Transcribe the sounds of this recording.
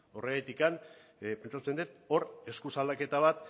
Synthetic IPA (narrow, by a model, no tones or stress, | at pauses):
o̞reet̪ikan | pe̞nt͡sat̪ut͡se̞nd̪et̪o̞ɾe̞skusald̪ake̞t̪aβ̞at̪̚